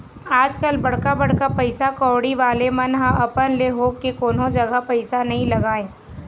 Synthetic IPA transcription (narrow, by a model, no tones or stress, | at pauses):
aːd͡ʒkəlbɐɽkabɐɽ̤kapɐɪsakɔːɽiʋaːlemɐnɦãʔɐpənleɦoːɡkekoːnõd͡ʒɐɡapɐɪsanɐɦĩlɐɡaːẽː